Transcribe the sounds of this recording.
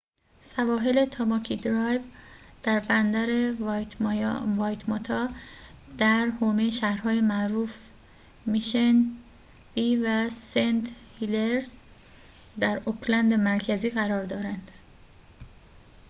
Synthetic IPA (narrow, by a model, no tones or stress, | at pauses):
sævɒːɦele̞t̪ʰɒmɒkʰid̪ɾɒjvd̪̥æɾbænd̪æɾet̪vɒːjt̪ʰmot̪ʰɒ | d̪̥æɾhoːmejʃæhɾhɒːjemæʔɾuːf | miʃæn | b̥iːvæsent̪hileɾs | d̪æɾokʰlænd̪emæɾcʰæziːɣæɾɒːɾd̪ɒːɾænd̪̥